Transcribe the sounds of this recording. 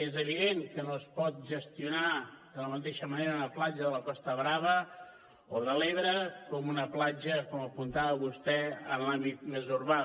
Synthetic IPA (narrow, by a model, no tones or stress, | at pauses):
ezəβ̞iðeŋkənoəspɔt̪̚ʒəst̪iunaðələmət̪eʃəməneɾəunəplad͡ʒəðələkɔst̪əβɾaβə | oðəleβɾəkɔmunəplad͡ʒəkɔməpunt̪aβəβust̪ɛənlambit̪mezuɾβa